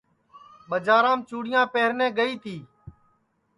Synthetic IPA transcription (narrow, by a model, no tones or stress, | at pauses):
ɓəd͡ʒaːɾãːmt͡ʃuːɽɪjãːpeːɦɾnɛ̃ːɡəiːt̪ʰiː